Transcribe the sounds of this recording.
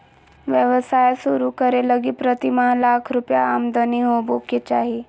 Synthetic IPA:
ʋjəʋəsajsuɾukəɾeləɡiːpɾət̪imalakʰɾupjaːmd̪əniɦoboket͡ɕaɦi

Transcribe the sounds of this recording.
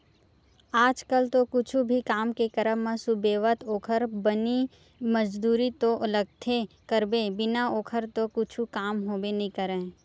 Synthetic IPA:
aːd͡ʒkəlt̪okʊt͡ʃʰubʱikaːmkekəɾəɦmːãsʊbeːʋət̪oːkʰəɾbəni | məd͡ʒd̪uːɾit̪oʔləɡ̚t̪ʰe | kəɾbebɪnaoːkʰəɾt̪okʊt͡ʃʰukaːmɦoːbenɐĩkəɾẽː

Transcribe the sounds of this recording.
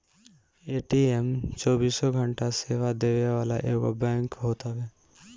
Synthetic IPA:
eːʈiemt͡ʃɔːbiːsɔɡʱəɳʈaseːʋad̪eːʋeʋaːlaʔeːɡo̰bɛ̃ːŋkɦoːt̪aɦɛː

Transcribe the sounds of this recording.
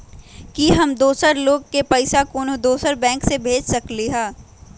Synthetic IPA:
kiɦɐmd̪oːsəɾloːɡkepɐɪsakoːnod̪oːsəɾbɛ̃ːŋksebʱeːd͡ʒsɐkliɦaː

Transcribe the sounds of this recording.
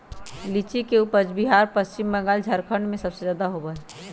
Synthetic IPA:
lit͡ʃikeupəd͡ʒbiɦaːɾpəst͡ʃɪmːə̃ŋɡaːld͡ʒʱɐɾkʰə̃ɳɖmẽsɐbsed͡ʒaːd̪aɦobəɦe

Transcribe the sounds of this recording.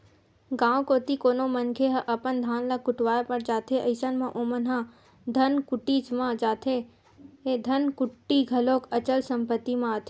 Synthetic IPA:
ɡãːõkoːt̪ikoːnomənkʰeɦɐʔɐpənd̪ʱaːnlɐkʊʈwaːepɐɽd͡ʒaːt̪ʰeʔɐɪsanmãʔoːmənɦa | d̪ʱɐnkʊʈit͡ʃmãd͡ʒaːt̪ʰe | ɦed̪ʱɐnkʊʈːiɡʱɐloːkɐt͡ʃəlsɐ̃mpət̪ːimãːt̪ʰe

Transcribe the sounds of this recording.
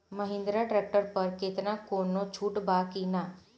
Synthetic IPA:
məɦɪ̃nd̪ɾaʈɾek̚ʈəɾpəɾket̪nãkonot͡ʃʰuːʈbakina

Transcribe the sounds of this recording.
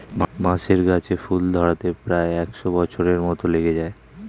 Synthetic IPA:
mmãʃeɾɡat͡ɕʰefuld̪ʱɔɾat̪epɾaeɛkʃobɔt͡ɕʰoɾeɾmɔt̪oleɡed͡ʑae

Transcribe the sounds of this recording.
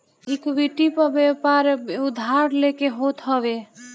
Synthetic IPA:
ikbiʈipəbepaɾud̪ʱaɾlekeɦot̪ɦəβe

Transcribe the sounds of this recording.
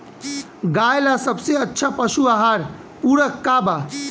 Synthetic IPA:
ɡajlasəbseətːʃʰapəʃuaɦaɾ | puɾəkːaba

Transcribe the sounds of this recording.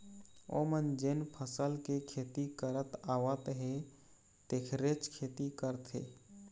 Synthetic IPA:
o̰mənd͡ʒenpʰəsəlkekʰeːt̪ikəɾət̪aːwət̪ɦe | t̪ekʰɾet͡ʃkʰeːt̪ikəɾt̪ʰɦḛː

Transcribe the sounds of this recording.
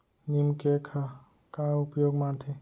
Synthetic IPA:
nimkekʰa | kaupjoɡmãnt̪ʰe

